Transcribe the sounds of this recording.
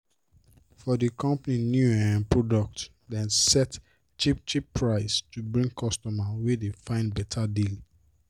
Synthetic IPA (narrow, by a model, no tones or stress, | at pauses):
fɔdikɔ̃mpninjuɛɛ̃npɹɔdɔk̚t | dɛ̃nsɛt | t͡ʃipt͡ʃipːɹaɪstubɹĩŋɡkʰɔstɔmawedefãɪ̃ndbɛtʰadili